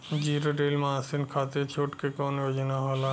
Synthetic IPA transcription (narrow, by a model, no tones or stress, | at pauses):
d͡ʑiɾoɖelmãsinkʰat̪et͡ʃʰoʈkekɔnjod͡ʑinaɦɔla